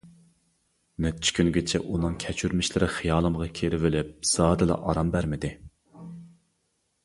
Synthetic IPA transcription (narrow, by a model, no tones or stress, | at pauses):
nɛt͡ʃʰkʲʰynɡʲet͡ʃʰɛ̰ʔunɨŋkʲʰɛt͡ʃʰyɾmɪʃlɪɾɪχijɑːlˠɨmʁɑkʲʰeɾɪvɪlɪp̚sɑːd̪ɨlˠɑ̰ʔɑɾɑmbæɾmɪd̪ɪ